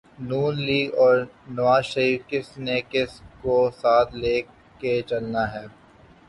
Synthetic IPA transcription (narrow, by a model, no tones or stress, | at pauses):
nuːnliːɡɔːɾnɐʋaːzʃɐɾiːfkɪsnekɪskosaːt̪ʰleː | ket͡ʃɐlnaɦɛː